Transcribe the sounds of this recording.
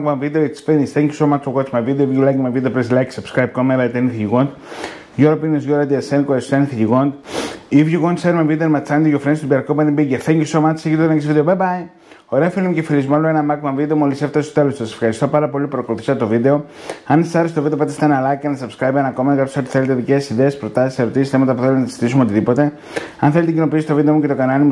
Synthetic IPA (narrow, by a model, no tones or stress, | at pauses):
kbɐnvid̪eoekspenisθeɲki̥somak̪okot̪smɐvid̪eoivʝulajkmavid̪eopɾeslajksɐpskɾajb̚komelɐt̪eniθijiɣond̪ | ʝoɾopiniosʝoɾɐd̪iesenkoɾest̪eniθiciɣond̪ivʝiɣond̪senmɐvid̪eonmɐt͡sːɐnd̪ijofɾenist̪obiɐɾkopɐnimbiɡeθeɲkisomant̪seit̪ot̪ekis̬vid̪eobebaj | oɾefilimcefilizmɐloenɐmɐkmɐɱvid̪e̞omoliseft̪ɐst̪ot̪e̞losɐsefxɐɾist̪o̞pɐɾɐpo̞lipɾoko̞luθi̥sɐt̪t̪o̞vid̪e̞o̞ | ɐnessɐɾest̪ovid̪eɐt̪est̪ɐnɐlɐkɐnsɐpskɾɐjpenɐkomɐnkɐp̪osot̪i̥θelet̪eðicesiðeːspɾot̪ɐsi̥se̞ɾot̪isisθemɐt̪ɐpuθelmnɐsizi̥t̪isumeo̞t̪iðipo̞t̪e̞ | ɐnθelet̪ec̬ino̞piisi̥t̪ovid̪emuce̞t̪o̞kɐnɐnimu